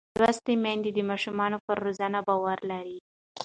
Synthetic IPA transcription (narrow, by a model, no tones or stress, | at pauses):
mɾast̪emand̪id̪əmɑʃumɑnopəɾːozanabɑwaɾlaɾi